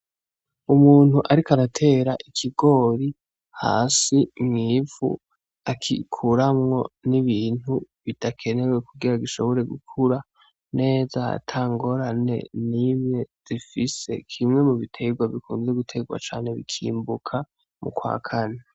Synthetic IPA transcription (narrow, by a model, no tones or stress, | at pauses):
umuːn̥huʔaɾikaɾatʰe̞ːɾaʔikʰiɡo̞ːɾi | ha̰ːsimŋiːvṵ | akʰḭkʰuɾamŋo̞niβiːn̥huβid̥akʰe̞ne̞we̞kuɡiɾaɡiʃo̞βo̞ɾe̞ɡukʰuɾa | ne̞ːza̰tʰaːŋɡo̞ɾane̞̰nimɲe̞z̥ifise̞̰kʰimŋe̞muβitʰe̞ɡwaβikṵːnze̞ɡutʰe̞ɡwa̰t͡ʃa̰ːnhe̞βḭkʰḭːmbukʰa | mṵkwa̰ːkʰane